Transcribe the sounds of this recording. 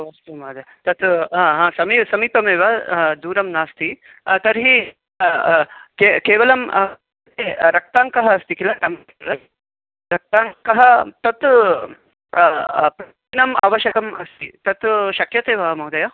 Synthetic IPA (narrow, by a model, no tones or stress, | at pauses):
ʋaːst̪ɐmaːd̪ɐ | t̪ɐt̪ɦãːɦãːsɐmiːsɐmiːpɐmeːʋɐd̪uːɾɐmnaːst̪ʰi | t̪ɐɾɦi | kekeːʋɐlɐm | t̪eːɾɐk̚t̪aːŋkɐɦɐːst̪ikilaʈɐm | ɾɐ | ɾɐk̚t̪aːŋkɐɦɐt̪ɐt̪ | pɾ | nɐma̰ːʋɐʃɐkɐmɐst̪ḭt̪ɐt̪ʃɐkjɐt̪eːʋɐmɐwd̪ɐjɐ